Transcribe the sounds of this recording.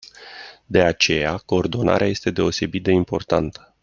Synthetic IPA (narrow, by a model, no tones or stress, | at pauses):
d̪e̞at͡ʃe̞jako̞ːrd̪o̞na̰ɾʔeaje̞st̪e̞d̪e̞o̞se̞bit̪̚d̪e̞impo̞rt̪ant̪ə̥